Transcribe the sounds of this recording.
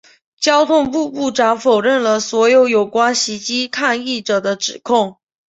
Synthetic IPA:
t͡ɕjɑ˥ʊt̪ʰʊ˥˧ŋpu˥˧pu˥˩ʈ͡ʂa˧˥ŋfo˨˩ʊɻə˥˩nlə˩swɔ˧˥jo˧˥ʊjo˨˩ʊkwa˥nɕi˧˥t͡ɕi˥kʰa˥˧ni˥˩ʈ͡ʂɤ˨˩d̪ə˦ʈ͡ʂɻ̩˨˩kʰʊ˥˩ŋ

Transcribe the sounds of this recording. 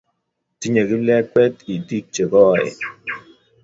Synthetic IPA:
ti˦ɲe˨ɡi˦lɛ˦k͡pɛ˦ti˨di˦k̚t͡ʃe˨kɔ˦˨ɪ̰˨

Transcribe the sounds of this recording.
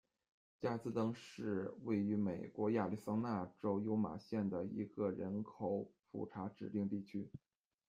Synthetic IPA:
t͡ɕja˥˩t͡sɹ̩˥˧t̪ɤ˥ŋʂɻ̩˥˧we˥˩ɪy˧˥me˨˩ɪkwɔ˧˥ja˥˩li˥˩sɑ˥ŋna˥˩ʈ͡ʂo˥ʊjo˧˥ʊma̰˨˩ɕjɛ˥˩nd̪ə˩ḭ˧˥ɡə˧ɻə˧˥nkʰo˨˩˦ʊfṵ˨˩ʈ͡ʂʰa˧˥ʈ͡ʂɻ̩˨˩t̪i˥˧ŋt̪i˥˩t͡ɕʰy˥

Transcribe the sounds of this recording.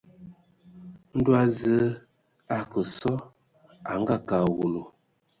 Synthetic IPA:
n̩˦du˦a˦zə˦ | a˨kə˨sɔ˦ | a˨ŋ˦ɡa˦˨ka˨wu˨lo˨

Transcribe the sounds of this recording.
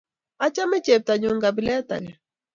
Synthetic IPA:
a˦t͡ʃa˦mɛ˦t͡ʃɛ˨p̚t̪a˨ɲu˨ŋɡa˨bi˨lɛ˦t̪a̰˨ɡɛ˨

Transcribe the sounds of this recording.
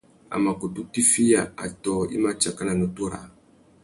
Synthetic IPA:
a̰˨ma˨ko˨tu˦ti˦fi˦ja˨a̰˨tɔ˦ḭ˦ma˦t͡ʃa˨ka˦nã˨no˨to˦ɾa̰˨

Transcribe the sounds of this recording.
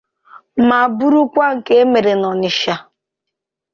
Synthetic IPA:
ma˨bu˦ɾu˦kʷa˦ŋ̩˨ke˦e˦me˨ɾe˨nɔ˨nɪ˨ʃa˨

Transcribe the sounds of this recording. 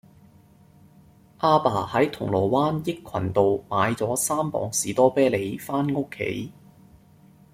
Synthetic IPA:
ʔaː˧paː˨˩hɐ˨˥jt̪ʰʊ˨˩ŋlɔː˨˩waː˥njɪ˥kʰːwɐ̰˨˩nt̪o˨wmaː˨˧jt͡sɔː˨˥saː˥mpɔ̰ː˨˧ŋsiː˨˥t̪ɔː˥pɛː˥le˨˧jfaː˥nŋʊ˥kʰːḛ˨˥j

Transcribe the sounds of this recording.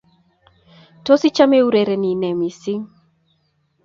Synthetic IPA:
to˦si˦t͡ʃa˦me˦u˦ɾe˨ɾe˨ni˨nɛ˨mi˨si˦ŋ

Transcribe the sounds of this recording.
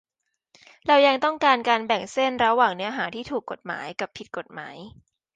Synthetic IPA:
ɾa˧wja˧ŋt̪ɔ˥˩ŋkaː˧nkaː˧nbɛ˨˩ŋse˥˩nɾa˧waː˨˩ŋnɯ˦˥ɐɦaː˩˦t̪ʰiː˥˩t̪ʰuː˨˩kːo˨˩t̪̚ma̰ː˩˦jka˨˩pʰːi˨˩t̪̚ko˨˩t̪̚ma̰ː˩˦j

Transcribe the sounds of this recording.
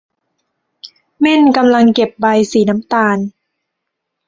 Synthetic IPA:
me˥˩nka˧mla˧ŋke˨˩p̚ba˧jsiː˩˦na˦˥mt̪aː˧n

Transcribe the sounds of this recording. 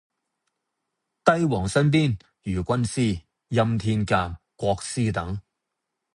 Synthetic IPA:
t̪ɐ˥jwɔː˨˩ŋsɐ˥np̬iː˥n | jyː˨˩kʷɐ˥nsiː˥˩ | jɐ˧mt̪ʰiː˧nkaː˧m | kʷɔː˧k̚siː˥t̪ɐ˨˥ŋ

